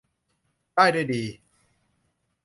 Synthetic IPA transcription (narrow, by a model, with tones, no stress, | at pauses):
kaː˥˩jdaː˥˩jdiː˧